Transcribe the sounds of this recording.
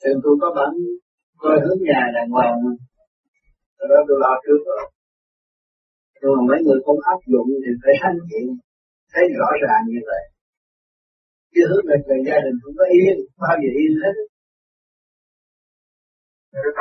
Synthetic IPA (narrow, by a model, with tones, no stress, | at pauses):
t̪i˨˩əŋt̪u˧jkɔ˨˦ɓaː˧˥n | ko˧jhɨ˨˦˥əŋɲaː˨˩laː˨˩ŋwa˨˩˧ | t̪ɔ˧˩ɗɔ˨˦t̪u˧jlɔ˧t͡ɕɨ˦˥ək̚lɔ˨˩ | ɲɨ˧ŋmaː˨˩mɔ̰ː˧˨˦jŋɨ˨˩əjkʊ̰˧˥ŋ͡mʔaː˦˥p̚zʊ̰˧˨ŋ͡mt̪ʰi˨˩faː˧˩jsʰa˧˦ŋkḭ˧˨ən | t̪ʰe˨˦jzɔ̰˧˥zaː˨˩ŋɲɨ˧və̰˧˨j | ki˧˦ɦɨ˨˦mi˨˩lə˨˩zaː˧ɗï˨˩ŋ̟kʊ˧˦ŋ͡mkɔ˨˦ʔi˧˥ɓaː˧˩vi˨˩ʔi˧ənh̪e˦˥